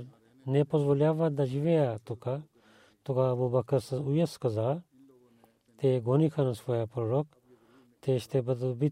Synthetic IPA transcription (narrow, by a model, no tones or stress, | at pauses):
nepozʋolʲjaːʋad̪ad͡ʒiʋejat̪uka | t̪ukabobɐkɐɾsɐujɐskɐza | t̪eɡonikʰanɐsfojapɐɾɾok | t̪eʃt̪ebɐd̪bi